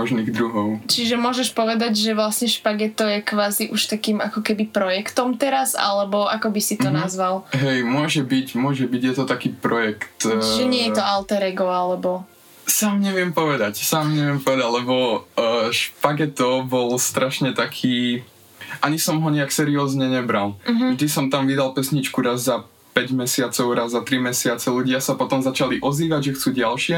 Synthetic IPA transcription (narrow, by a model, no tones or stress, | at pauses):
mɔʒniːɣd̪ɾuɦɔʊt͡ʃiʒɛmʊɔʒɛʃpɔʋɛd̪aɟʒɛʋlasɲɛʃpaɡɛt̪ɔjɛkʋaːziʔuʃt̪akiːmakɔkɛbipɾɔjɛkt̪ɔmt̪ɛɾaza̰lɛbɔʔakɔbisit̪ɔnazʋalɦɛjmʊɔʒɛbicmʊɔʒɛbiɟjɛt̪ɔt̪akiːpɾɔjɛkt̪t͡ʃiʒɛɲɪɛjɛt̪ɔalt̪ɛɾɛɡɔalɛbɔ | saːmɲɛʋɪɛmpɔʋɛd̪acsaːmɲɛʋɪɛmpɔʋɛd̪aɟlɛbɔː | ʃpaɡɛt̪ɔbɔlst̪ɾaʃɲɛt̪akʰiː | ʔaɲisɔmɦɔɲɛaksɛɾiɔːzɲɛɲɛbɾalˠʒd̪isɔmt̪amʋid̪alpɛsɲit͡ʃkuɾazza | pɛɟmɛsɪat͡sɔʊɾazzat̪ɾimɛsɪat͡sɛluɟɪasapɔt̪ɔmzat͡ʃaliʔɔziːʋaɟʒɛxt͡suːɟalʃɪɛ